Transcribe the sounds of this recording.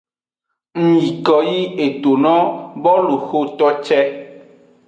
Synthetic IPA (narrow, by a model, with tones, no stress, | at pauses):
ŋ̩˨ɲi˨kɔ˨ji˦e˨t̪o˨nɔ̃˦bɔ˦lu˨xo˦t̪ɔ˦t͡ʃɛ˦